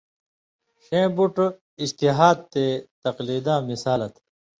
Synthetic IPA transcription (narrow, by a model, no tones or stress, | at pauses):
ɕẽːbuʈ | ist̪iɦaːd̪̚t̪eːt̪ɐqliːd̪ãːmisaːlɐt̪